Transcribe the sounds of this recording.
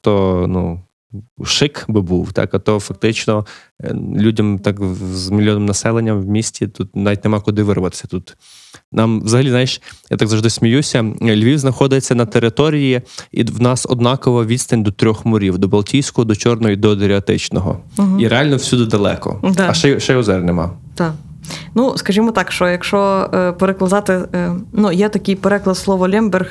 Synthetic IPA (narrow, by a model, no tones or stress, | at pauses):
t̪ɔnu | ʃɪkbɪbuwt̪ɑ̰kɐt̪ɔfɐk̚t̪ɪt͡ʃnɔ | lʲudʲɐmt̪ɑkzmʲilʲjɔnɪmnɐsɛlˠenʲːɐmwmʲisʲtʲit̪ut̪̚naʋʲit̚ʲnemɑkʊd̪ɪʋɪrʋɐt̪e̥sʲɐ̥t̪ut̪ | nɑmʋzɐɦɐlʲiznajʃja̰t̪aɡzɐʒd̪ɪsʲmʲijusʲɐlʲʋʲiwznɐxɔd̪ɪt͡sʲːɐnɐt̪eɾɪt̪ɔɾʲijiḭwnɑsɔ̰d̪nɑkɔʋɐʋʲid̪ʲst̪ɐnʲd̪ɔt̪ɾʲɔxmʊɾʲiwd̪ɔbɐlˠtʲijsʲkɔɦɔd̪ɔt͡ʃɔrnɔɦɔid̪ɔd̪ɾʲiɐt̪ɪt͡ʃnɔɦɔ̰ɦiɾealʲnɔwsʲud̪ɪd̪ɐlˠɛ̰kɔ̰d̪ɐʃɛʃɛjɔzɛrnɛmɑ̰ | t̪a | nuskɐʒʲimɔt̪ɑkʃt͡ʃɔjɐkʃɔpeɾeklˠɐd̪ɑt̪ɪnujɛt̪ɐkʲɪjpeɾɛklˠɐt̪slˠɔʋɔlʲɛmbɛrx